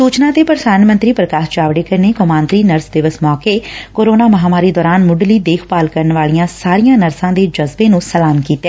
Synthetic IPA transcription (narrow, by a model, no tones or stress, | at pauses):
suːt͡ʃnãːt̪eːpəɾəd̪aːnmə̃nt̪ɾiːpɾəkaːʃd͡ʒaːʋɽeːkəɾneːkomaːnt̪ɾiːnəɾsd̪ɪʋəsmɔːkeːkoːɾoːnaːməɦaːmaːɾiːd̪ɔːɾaːnmʊɖliːd̪eːkʰpaːlkəɾənʋaːlijãːsaːɾijãːnəɾsãːd̪eːd͡ʒəzbẽːnũːsəlaːmkiːt̪eː